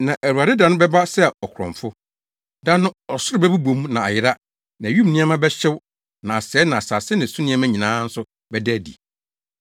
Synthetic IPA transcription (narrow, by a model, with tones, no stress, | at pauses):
nã˨ʔæ˨ɾu˨a˨dɪ˦dã˨nʊ̃˦bɛ˦ba˦sɛ˦˨ɔ˨kʰʊ˨ɾɔ̰̃˨ɱfʊ˦ | dã˦nʊ̃˦ɔ˨sʊ˦ɾɪ˦bɛ˦bu˦bõ˨˦m˦nã˨a˨jɪ˦ɾa˦ | nã˨ɥũ˦mnɪ̃˦a˦mã˦bɛ˦ɕɪ˦w | nã˨a˨sɛː˨˦nã˨a˨saː˨sɪ˦nɪ̃˨su˦nɪ̃˦ɛ˦mã˦ɲĩ˨nãː˨˦n̩˦sʊ˦ | bɛ˦dæ˦˨dḭ˨